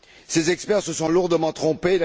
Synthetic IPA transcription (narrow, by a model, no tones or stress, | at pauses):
sezɛkspɛʁsəsɔ̃luʁd̪əmɑ̃t̪χɔ̃pela